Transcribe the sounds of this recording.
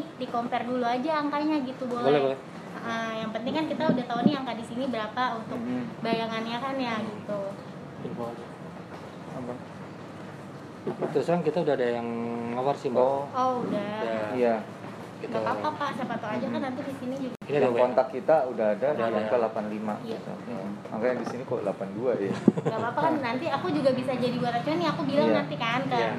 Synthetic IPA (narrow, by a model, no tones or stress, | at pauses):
dikompɛrduluad͡ʒaːŋkaɲaɡit̪ubollɛbolɛ | əʔəjaŋpənt̪ɪŋkankit̪audaht̪auniaŋkadisinibəɾapaunt̪ʊk̚bajaŋanɲakanjaɡit̪u | simbod͡ʒ | abaŋ | apat̪ɾuskaɾaŋkit̪audahadajaŋlamarsimoɔudajaija | kit̪aapapaʔsapat̪oad͡ʒakanːant̪idisinid͡ʒuɡakinadawkɔnt̪akːit̪audaɦadadaŋkalapanlima̰it̪a̰a | ma̰kajadisinikalapanduajakaapakanːant̪iakud͡ʒuɡabisad͡ʒadiduaɾasuaniakubilaŋŋnant̪ikank̪aa